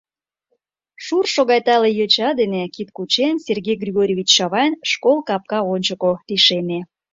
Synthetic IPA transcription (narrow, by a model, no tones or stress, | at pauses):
ʃurʃoɣɑjt̪ɑlejøt͡ɕɑd̪enekit̪kut͡ɕenserɣejɡrʲiɣoɾʲovʲit͡ɕːɑβɑjnʃkolˠkɑp̚kɑonʲt͡ɕəkop̪iʃeme